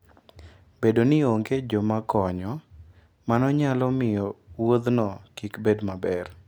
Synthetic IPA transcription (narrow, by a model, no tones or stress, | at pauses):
bedonɪoŋɡed͡ʒɔmakɔɲɔ | manɔɲalɔmɪjɔwod̪nɔkikbedmabɛr